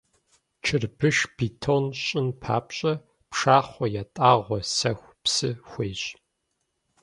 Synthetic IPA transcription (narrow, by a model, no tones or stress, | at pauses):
t͡ʃʰɨrbɨʃbiːtʰonɕʼɪnpʰa̰ːpɕʼɐ | pʂaːχʷɔjatʼaːʁʷɔsɐxʷpsɨxʷeːɕʼ